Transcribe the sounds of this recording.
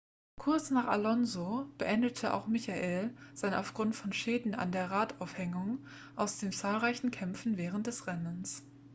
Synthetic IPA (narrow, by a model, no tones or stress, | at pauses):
kʰʊɐt͡snaːχa̰lɔnzob̥əʔɛndətʰəʔa̰ʊxmɪçaʔeːlz̥aɪna̰ʊfɡ̥ʁʊntfɔnʃɛːdn̩a̰ndeːɐʁaːtaʊfhɛŋʊŋ | ʔaʊsd̥eːmt͡saːlʁaɪçn̩kʰɛmfn̩vɛːʁ̞ənt̚d̥ɛsʁɛnəns